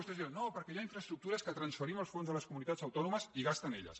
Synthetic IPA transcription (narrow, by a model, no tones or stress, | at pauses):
ust̪ezðinopəɾkɛjaiɱfɾəst̪ɾuk̚t̪uɾəskət̪ɾənsfəɾiməlˠsfonzðələskumunit̪ad͡zəwt̪ɔnuməziɣast̪əneʎə̰s